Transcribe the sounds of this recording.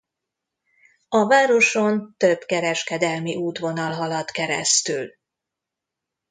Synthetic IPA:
ɒvaːɾo̞ʃont̪øbkɛɾɛʃkɛd̪ɛlmiʔuːt̪ʋo̞nɒlɦɒlɒt̪kɛɾɛ̰st̪yl

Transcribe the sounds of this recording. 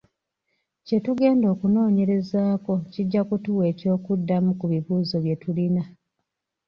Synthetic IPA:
ce̞tuɡe̞ːndoːkuno̞ːɲe̞ɾe̞zaːko̞ciɟːakutuwe̞ːco̞ːkudːamukuβiβuːzo̞βje̞tulina

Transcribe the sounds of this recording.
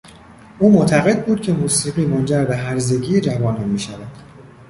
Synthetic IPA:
ʔuːmot̪ʰæɣe̞d̪̚buːd̪̥̚cʲʰe̞muːsiːɣiːmond͡ʒæɾbe̞ɦæɾze̞ɟiːd͡ʒævɒːnɒnmiːʃævæd̪̥

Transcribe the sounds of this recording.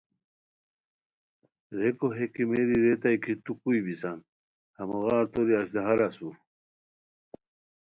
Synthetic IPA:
ɾekoɦekimeɾiɾet̪ajkʰit̪ukujbisan | hɐmoɣaːɾt̪oɾiaɕd̪ɐɦaɾasu

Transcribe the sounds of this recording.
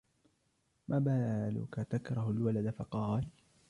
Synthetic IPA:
mʔaːbaːlʊ̰kat̪akɾˤɑhʊlwalad̪afɑqɑːl

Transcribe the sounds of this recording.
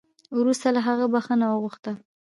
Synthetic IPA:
wɾust̪alaɦaɣəbaxənawəɣʊxt̪ə

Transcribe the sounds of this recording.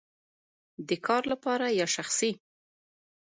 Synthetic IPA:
d̪əkʰɑɾlapɑɾajɑʃaxsi

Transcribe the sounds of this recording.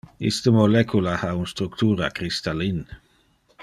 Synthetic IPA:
ḭst̪əmolɛkʰulahaunst̪ɾukt̪uːɾakɾist̪alin

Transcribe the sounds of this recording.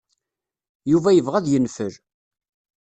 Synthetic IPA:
juvæjəvʁæðjənfəɾ

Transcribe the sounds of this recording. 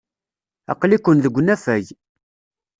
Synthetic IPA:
ɑ̰qlikʷːənðəɡʷːnæfæj

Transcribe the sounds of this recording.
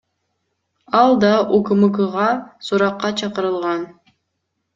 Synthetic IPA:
ɑlˠd̪ɑʔuɡɯmɯɡɯʁɑsuɾɑqːɑt͡ʃʰɑqəɾɯlˠʁɑn

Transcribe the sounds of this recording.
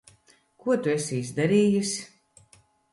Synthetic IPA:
kuɔt̪uesʲiizʲd̪aɾiːjusʲ

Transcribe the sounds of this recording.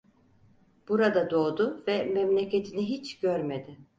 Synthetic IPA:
b̥uɾad̪ad̪o̞ːd̪ʊvɛmɛmlʲe̞cʰe̞t̪ʰiniɦit͡ʃɟ̥øɾme̞d̪ɪ

